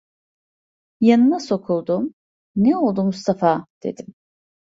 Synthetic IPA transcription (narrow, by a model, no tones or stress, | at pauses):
janɯnaso̞kʰulˠd̪um | nɛo̞lˠd̪umust̪ʰafad̪̥e̞̰d̪im